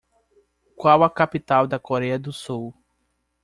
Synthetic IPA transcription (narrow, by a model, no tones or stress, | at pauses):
kwawɐkapit̪awd̪ɐkoɾɛɐd̪ʊsuw